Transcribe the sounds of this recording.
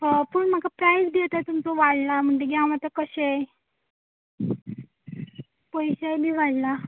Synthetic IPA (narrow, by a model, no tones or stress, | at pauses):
ɦəpuɳm̤akapɾajsd̪jet̪at̪umt͡sɔʋaɽlam̤əɳd͡ʑeɡjamat̪akəɕe | pəjɕebʱiːʋaɽla